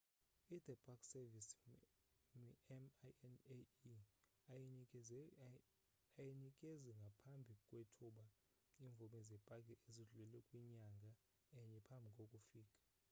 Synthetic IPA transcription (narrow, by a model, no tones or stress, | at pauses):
id̪ɛbʼakʰʼsɛvis | mni | aji | ajinikʼeziŋɡʱapʰambʱikʼwetʰuɓa | iɱvʱumɛzɛpʼak̬ʼɛʔeziɮulɛlɛkʼwiɲaŋɡʱa | ɛɲɛpʰambʱikʼokʼufiːkʼḁ